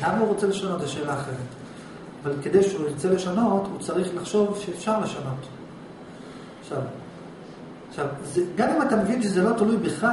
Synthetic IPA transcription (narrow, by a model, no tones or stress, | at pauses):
lamauʁot͡sele̞ʃano̞t̪zeʃe̞ːlaːχeʁet | avalked̪ejʃeuiʁt͡sele̞ʃano̞tut͡saʁiχlaχʃo̞vʃeːfʃaʁle̞ʃano̞t | χʃav | aχʃavzeɡamimat̪amevinʃezelo̞t̪alujbiχla